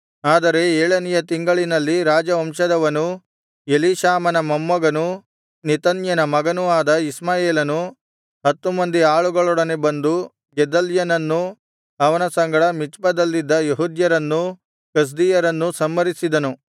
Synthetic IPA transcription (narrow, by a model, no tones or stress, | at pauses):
aːd̪ɐɾe̞eːɭɐnijɐt̪iŋɡɐɭinɐlːiɾaːd͡ʒɐʋɐmʂɐd̪ɐʋɐnu | eliʃaːmɐnɐmɐmːɐɡɐnu | nit̪ɐnjɐnɐmɐɡɐnuaːd̪ɐismaːjeːlɐnu | ɦɐt̪ːumɐnd̪iaːɭuɡɐɭɔɽɐnebɐnd̪u | d͡ʒɛd̪ɐljɐnɐnːu | ɐʋɐnɐsɐŋɡɐɽɐmit͡ʃbɐd̪ɐlːid̪ːɐjeɦud̪jɐɾɐnːu | kɐs̬d̪ijɐɾɐnːusɐmːɐɾisid̪ɐnu